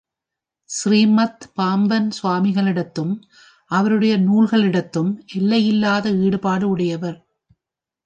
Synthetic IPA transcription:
sɾiːmɐt̪paːmʋɐnsʊʋaːmɪɣɐɭɪɽɐt̪ːɯm | ʔɐʋɐɾɯɽɐjɐnuːɭɣɐɭɪɽɐt̪ːɯmʔɛlːɐjɪlːaːðɐiːɽɯpaːɽɯʊɽɐjɐʋɐɾ

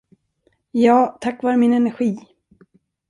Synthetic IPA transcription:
jɑːt̪ʰakːvɑːɾəmɪnɛnæɾɧiː

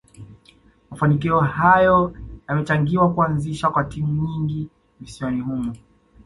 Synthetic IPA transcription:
mafanikiɔhajɔjamɛt͡ʃaŋɡiwakuanziʃakwatimuɲiŋɡi | visiɔnihumu

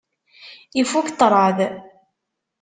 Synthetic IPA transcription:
ifukt̪ˤːɾˤɑð

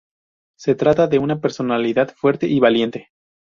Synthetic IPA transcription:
se̞t̪ɾat̪aðe̞unape̞ɾso̞naliðaðfwe̞ɾt̪e̞ʔiβalje̞nt̪e̞

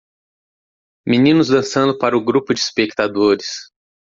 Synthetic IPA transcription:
minĩnʊzd̪ɐ̃sɐ̃nd̪ʊpaɾɐʊɡɾupʊd͡ʒɪispek̚t̪ad̪oɾɪs

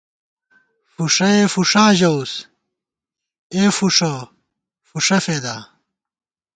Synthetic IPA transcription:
fuʂɐefuʂãːʑɐws | eːfuʂo | fuʂɐfed̪aː

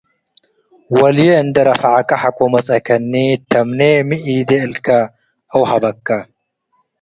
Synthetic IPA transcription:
wɐljeɨnd̪ɐɾɐfʕakːɐħakomɐt͡sʼɐkʰɐnːit̪ʰɐmnemiʔiːd̪eɨlkʰɐ | ʔɐwhɐbɐkːɐ

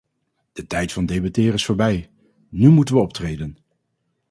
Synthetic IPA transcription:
d̥ətɛjtfɑndejbɑtɪːrɪsfʊːɹbɛj | nymutənʋəɔp̚trejdən

